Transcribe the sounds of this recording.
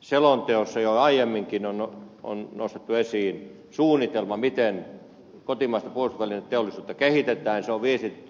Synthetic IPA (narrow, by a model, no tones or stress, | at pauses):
selont̪eosːɑjoɑijemːiŋkinonoo̰nnost̪et̪ːuesiːn | suːnːˑit̪elmɑmit̪en | kot̪imɑˑist̪ɑpuost̪uʋælinet̪eolːˑisuːt̪ːɑkehit̪et̪ˑæːnseoʋʋiest̪itet̪ːy